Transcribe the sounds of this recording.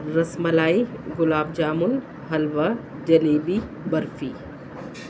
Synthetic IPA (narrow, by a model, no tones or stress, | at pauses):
ɾɐsmɐlaːiɡʊlaːbd͡ʒaːmʊl | ɦɐlʋa | d͡ʒɐleːbi | bɐɾfiː